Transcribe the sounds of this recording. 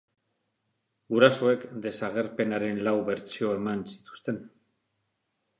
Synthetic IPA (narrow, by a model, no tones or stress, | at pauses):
ɡuɾaso̞e̞kd̪e̞saɣ̞e̞ɾpe̞naɾe̞nlawβe̞ɾt͡sio̞e̞mansi̥t̪u̥st̪e̞n